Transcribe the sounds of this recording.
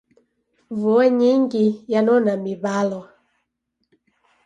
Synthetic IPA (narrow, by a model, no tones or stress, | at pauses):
vɔɛɲiŋɡijanɔnamibalɔ